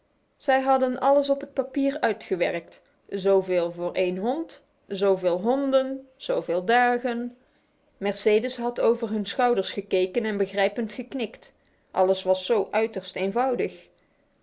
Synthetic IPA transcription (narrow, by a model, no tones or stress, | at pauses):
z̥ɛjɦɑdənʔɑləs̬ɔpɦət̚papiːɹœɥtχəʋɛɹk̚t | zowveːlˠvʊːɹʔejnɦɔnt | zowvɪːlˠɦɔndənz̥owvɪːlˠdaːɣən | mɛɹsejdəsɦɑtowvəɹɦɵnsχɑwdəɹsχəkejkənɛnbəɣrɛjpəntχəknɪkt | ʔɑ̰ləsʋɑsːowʔœɥtəɹstejnvɑwdəx